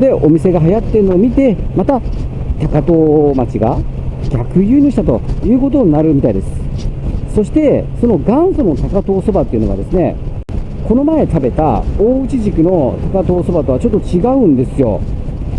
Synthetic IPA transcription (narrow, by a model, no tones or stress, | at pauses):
d̪e̞ʔomʲise̞ɡaɦajat̪ːe̞ɾɯ̟noːmʲit̪e̞mat̪a | t̪akat̪o̞ːmat͡ɕiɡa̰ɡʲakɯ̟jɯ̟ːɲoɕi̥t̪at̪o̞̰jɯ̟ːko̞t̪̬oɲ̟inaɾɯ̟mʲit̪aid̪e̞sɨ̥so̞ɕi̥t̪e̞so̞no̞ɡãɰ̃sono̞t̪akat̪o̞ːso̞bat̪ːe̞iɯ̟noɡad̪e̞sɨne̞̰ | ko̞no̞mae̞t̪abe̞t̪a̰oːɯ̟t͡ɕiʑikɯ̟no̞t̪akat̪o̞ːso̞bat̪o̞βat͡ɕo̞t̪ːo̞t͡ɕiɡaɯ̟̃nd̪e̞sɨjo̞̰